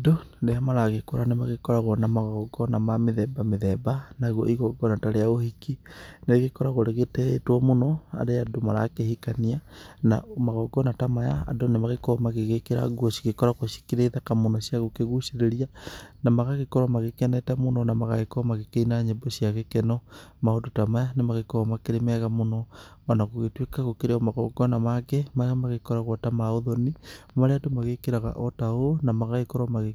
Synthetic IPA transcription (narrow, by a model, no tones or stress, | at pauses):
doɾeamaɾaɣekoɾanemaɣekɔɾaɣɔnamaɣɔɡɔnamameðɛbameðɛbanaɣwo̰iɣɔɡɔnataɾeaohikineɣekɔɾaɣoɾeɣetɛtwɔmonɔa̰ɾeadomaɾa̰kehikaniana̰maɣɔɡɔnatamaja̰a̰donemaɣekɔɾɔmaɣeɣekeɾa̰ɡwosi̥ɣekɔɾaɣoʃi̥kiɾeiðakamonɔsiaɣokeɣusiɾeɾianamaɣaɣekoɾwamaɣekɛnɛtamononamaɣaɣekoomaɣekeinaɲembosjaɣekenomaodotamajanemaɣekoɾwamakeɾemɛɣamonoanaɣoɣetwekaɣokeɾeomaɣɔɡɔnamakemaɣamaɣekoɾaɣwatamaoðonimaɾeatomaɣekeɾaɣa̰ʔotaonamaɣaɣekoɾamaɣe